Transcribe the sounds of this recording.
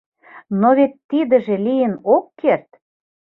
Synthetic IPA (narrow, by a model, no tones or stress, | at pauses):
noβet̪ːid̪ə̆ʒĕlijənokːert̪